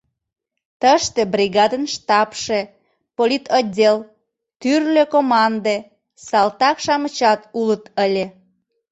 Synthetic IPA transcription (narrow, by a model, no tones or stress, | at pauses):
t̪əʃt̪ĕbrʲiɣɑd̪ənʃt̪ɑpʃe | polʲit̪odʲel | t̪yrløkomɑnd̪e | sɑlt̪ɑkʃɑmət͡ɕɑt̪ulət̪əlʲe